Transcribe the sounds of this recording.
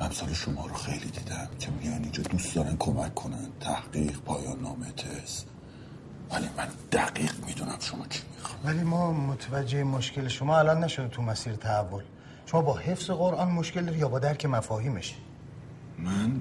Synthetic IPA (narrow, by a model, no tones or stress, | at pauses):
æmsɒːleʃomɒːɾoxejlid̪iːd̪æmcʲʰemijɒnind͡ʒɒːd̪ust̪d̪ɒːɾænkʰomækʰːonænt̪ʰæhɢiːqpʰɒːjɒːnːɒːmet̪ʰes | vælimænd̪̥æɡiːqmid̪unæmʃomɒːt͡ʃʰi̥mixɒvæliːmɒːmot̪ʰvæd͡ʒːe̞emoʃcʲe̞leʃomɒːælɒnːæʃod̪et̪ʰumæsiːɾet̪ʰæævːol | ʃomɒːbɒːhe̞fse̞ɣo̞ɾʔɒːnmoʃcʰe̞ld̪ɒɾijɒːbɒːd̪æɾcʰe̞mæfɒːhiːmeʃi̥ | mæn